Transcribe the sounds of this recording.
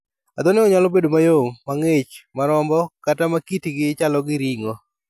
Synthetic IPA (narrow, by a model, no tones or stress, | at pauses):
ad̪ɔnɪɔɲalɔbedomajoŋːaŋɪt͡ʃmaɾɔmbɔkatamakitiɡɪt͡ʃalɔɡɪɾiŋo